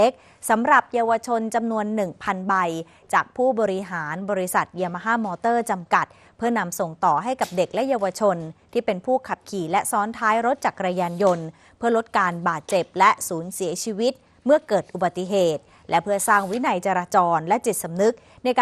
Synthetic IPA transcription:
e˦˥k̚ | sa˩˦mɾa˨˩p̚jaː˧wa˧t͡ɕʰo˧nt͡ɕa˧mnu˧ənːɯ˨˩ŋpʰa˧nba˧j | t͡ɕaː˨˩k̚pʰuː˥˩bɔː˧ɾi˦ɦaː˩˦nbɔː˧ɾi˦sa˨˩t̪̚ji˧ma˧ɦaː˥mɔː˧t̪ɤː˥˩t͡ɕa˧mka˨˩t̪̚ | pʰɯ˥˩ɐna˧mso˨˩ŋt̪ɔː˨˩ɦa˥˩jka˨˩p̚de˨˩k̚lɛ˦˥jaː˧wa˧t͡ɕʰo˧nt̪ʰiː˥˩pe˧npʰuː˥˩kʰa˨˩p̚kʰiː˨˩lɛ˦˥sɔː˦˥nt̪ʰaː˦˥jɾo˦˥t̪̚t͡ɕaː˨˩kːɾaː˧jaː˧njo˧n | pʰɯ˥˩ɐlo˦˥t̪̚kaː˧nbaː˨˩t̪̚t͡ɕe˨˩p̚lɛ˦˥suː˩˦nsi˩˦ɐt͡ɕʰiː˧wi˦˥t̪̚ | mɯ˥ɐkɤː˨˩t̪̚ʔu˨ba˨˩t̪ːi˨˩ɦeː˨˩t̪̚ | lʔɛ˦˥pʰɯ˥˩ɐsaː˥˩ŋwi˦˥na˧jt͡ɕa˧ɾaː˧t͡ɕɔː˧nlɛ˦˥t͡ɕi˨˩t̪̚sa˨˧mnɯ˦˥k̚na˧jkː

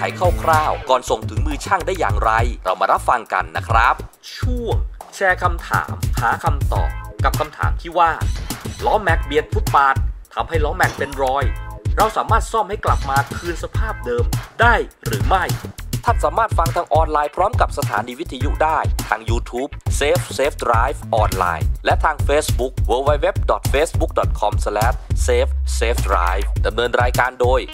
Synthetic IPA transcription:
a̰˩˦jkʰaː˥˩wkʰɾaː˥˩wkɔː˨˩nso˨˩ŋt̪ʰɯ˩˦ŋmɯː˧t͡ɕʰaː˥˩ŋdaː˥˩jːa̰ː˨˩ŋɾa˧jɾa˧wmaː˧ɾa˦˥p̚fa˧ŋka̰˧nːa̰˦˥kʰɾa˦˥p̚ | t͡ɕʰu˥˩əŋt͡ɕʰɛː˧kʰa˧mt̪ʰa̰ː˩˦mhaː˩˦kʰa˧mt̪ɔ̰ː˨˩p̚ka˨˩p̚kʰa˧mt̪ʰa̰ː˨˩˦mt̪ʰiː˥˩waː˥˩lɔː˦˥mɛ˦˥k̚bi˧˩ət̪̚fu˦˥t̪̚paː˦˥t̪̚ʰːa˧mha˥˩jlɔː˦˥mɛ˦˥k̚pe˧nɾɔː˧jɾa˧wsaː˩˦maː˥˩t̪̚sɔ˥˩mha˥˩jkla˨˩p̚maː˧kʰɯː˧nsa˧pʰaː˥˩p̚dɤː˧mdaː˥˩jɾɯː˩˦ma˥˩jt̪ʰa˥˩t̪̚saː˩˦maː˥˩t̪̚fa˧ŋt̪ʰaː˧ŋʔɔː˧nlaː˧jpʰɾɔː˦˥mka˨˩p̚sa˧t̪ʰa̰ː˩˦niː˧wi˦˥t̪ʰiː˧ju˥k̚daː˥˩jt̪ʰaː˧ŋjuː˧t̪ʰuː˦˥p̚seː˦˥f̚seː˦˥p̪̚ɾaː˦˥jfʔɔː˧nla̰ː˧jlɛ˦˥ʔt̪ʰaː˧ŋfeː˦˥sbu˦˥k̚wəː˧wa˦˥jwe˦˥p̚dɔ˨˩t̪̚feː˦˥sbu˦˥k̚dɔ˨˩t̪̚kʰɔ˧mslɛː˦˥t̚seː˦˥pseː˦˥p̚ʰɾa̰ː˦˥jfda˧mnɤː˧nɾaː˧jkaː˧ndoː˧j

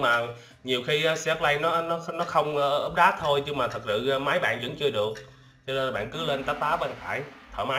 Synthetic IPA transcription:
maː˨˩ | ɲi˨˩wxi˧ʔːsɛ˦˥p̚la˧jnɔ˨˦nɔ˨˦nɔ˨˦xə˧wŋ͡mːʔəː˦˥p̚ɗaː˦˥t̪ʰo˧jɲɨ˧ŋmaː˨˩t̪ʰə˨˩k̚sɨ̰˧˨˧ma˨˦jɓa̰ː˧˨nvə̰˧˥nt͡ɕɨ˧əɗɨ˨˩ək̚ | t͡ɕɔ˧ne˧n˨˩ɓa̰ː˧˨nkɨ˨˦le˧nt̪a˦˥p̚t̪aː˨˦˥ɓe˧nxaː˧˩j | t̪ʰəː˧˩ma˨˦

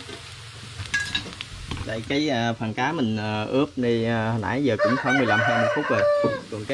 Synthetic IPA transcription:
la̰ː˧˨jkaː˨˦jʔəː˨˩faː˨˩nkaː˨˦mï˨˩ŋ̟ʔə˨˩ʔɨ˦˥əp̚ɗi˧˨˩həː˨˩nʔa̰ː˧˥jzəː˨˩kʊ̰˧˥ŋ͡mxɔː˨˦jmɨ˨əjla˧mɦəː˧mo˨˩fʊ˦˥k͡p̚zo˨˩j̚kɔ˨˩nka˨˦

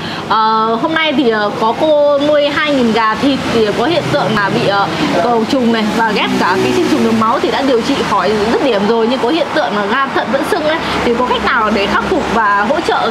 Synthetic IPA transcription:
ʔəː˨˩ho˧mna˧jt̪ʰi˨˩ʔəː˨˩kɔ˨˦ko˧mu˧əjɦaː˧jŋi˨˩nɣaː˨˩t̪ʰi˨˩t̚t̪ʰi˨˩˨kɔ˨˦hḭ˧˨ənt̪ɨ̰˧˨əŋlaː˨˩ɓḭ˧˨ʔəː˨˩kə˨˩wt͡ɕʊ˨˩ŋ͡mna˨˩jvaː˨˩ɣɛ˦˥p̚kaː˧˩kaː˨˦jt͡ɕï˧ŋ̟t͡ɕʊ˨˩ŋ͡mɗɨ˨˩ma˨˦wt̪ʰi˨˩ɗa̰ː˧˥ɗi˨˩əwt͡ɕḭ˧˨xɔ˧˩jzə˦˥t̚ɗi˨˧˩əmzo˨˩jɲɨ˧ŋkɔ˨˦hḭ˧˨ənt̪ɨ̰˧˨əŋː˨˩ɣaː˧t̪ʰə̰˧˨nvə̰˧˥nsɨ˧ŋʔə˨˦t̪ʰi˨˩kɔ˨˦xa˦˥k̟̚naː˨˩wɗe˧˩xaː˦˥k͡p̚fʊ˨˩k͡p̚vaː˨˩ɦo̰˧˥t͡ɕə̰ː˧˨

